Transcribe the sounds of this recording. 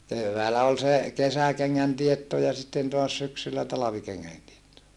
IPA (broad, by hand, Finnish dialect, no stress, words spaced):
keʋːæːlæ ol se kesækeŋːæn tietːo jɑ sitːen toɑs syksylːæ tɑlɑʋikeŋːæn tietːo